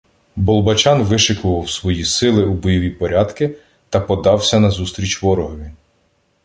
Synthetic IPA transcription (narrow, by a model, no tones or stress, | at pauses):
bɔlˠbɐt͡ʃɑnʋɪʃɪkʊʋɐwsʋɔjisɪlˠɪubɔjɔʋʲipɔɾʲʔɑd̪kɪ | t̪ɐpɔd̪ɑwsʲɐnɐzust̪ɾʲit͡ʃʋɔɾɔɦɔʋʲi